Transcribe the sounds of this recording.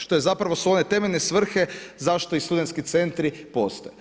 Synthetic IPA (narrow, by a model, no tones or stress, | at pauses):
ʃt̪o̞jezapɾaʋo̞suo̞ne̞t̪e̞menesʋr̩xe̞zaʃt̪o̞ist̪ud̪ent̪skit̪se̞nt̪ɾipo̞st̪oje